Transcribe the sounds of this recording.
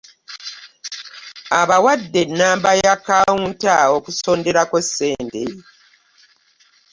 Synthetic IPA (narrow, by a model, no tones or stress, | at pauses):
aβawadːe̞nːaːmbajakːawuːntao̞kuso̞ːnde̞ɾakosːe̞ːnde